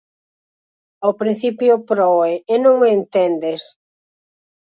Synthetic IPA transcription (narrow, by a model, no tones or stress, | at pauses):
owpɾĩn̟θipjʊpɾɔeːnõŋent̪end̪es